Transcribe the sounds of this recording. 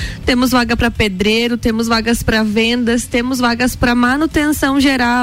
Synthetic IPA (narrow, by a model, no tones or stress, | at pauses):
t̪ẽmʊzvaɡɐpɾɐped̪ɾeɾʊt̪ẽmʊzvaɡɐspɾɐvẽnd̪ɐst̪ẽmʊzvaɡɐspɾɐmanut̪ẽsɐ̃w̃ʒeɾa